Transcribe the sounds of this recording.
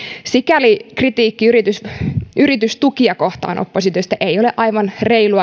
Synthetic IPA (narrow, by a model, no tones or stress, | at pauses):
sikælikrit̪iːkːiyɾit̪ysʔyɾit̪yst̪ukiɑkoht̪ɑ̰ːnʔo̰pːosit̪øst̪æʔeijoleʔɑiʋɑnreiluɑ